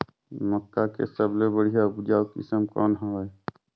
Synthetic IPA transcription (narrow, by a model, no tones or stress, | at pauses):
məkːakḛsəblebəɽijabʊd͡ʒaːwkɪ̰səmkɔ̰ːnɦoe